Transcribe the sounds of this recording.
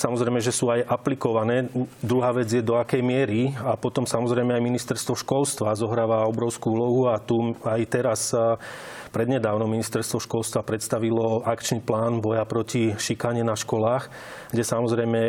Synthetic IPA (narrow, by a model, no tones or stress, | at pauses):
samɔzɾɛjmɛʒɛsuːajʔaplikɔʋanɛːd̪ɾuɦaːʋɛd͡zjɛd̪ɔakɛjmɪɛɾiapɔt̪ɔmsamɔzɾɛjmɛajminist̪ɛɾst̪ʋɔʃkɔlst̪ʋazɔɦɾaːʋaɔbɾɔʊskuuːlɔɦuat̪uajt̪ɛɾas | pɾɛd̪ɲɛd̪aːʊnɔmːinist̪ɛɾst̪ʋɔʃkɔlst̪ʋapɾɛt̪st̪aʋilɔakt͡ʃniplaːnbɔjapɾɔciʃikaɲɪɛnaʃkɔlaːx | ɡɟɛsamɔzɾɛjmɛ